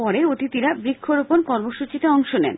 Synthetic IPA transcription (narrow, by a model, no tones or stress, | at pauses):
ɔɾeot̪it̪iɾabɾikʰːoɾuponkɔɾmoʃut͡ɕit̪eɔŋʃonɛ̰n